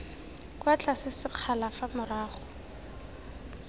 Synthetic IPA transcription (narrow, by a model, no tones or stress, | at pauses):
kʼwat͡ɬasɪsɪq͡χʰalafamʊraːχɔ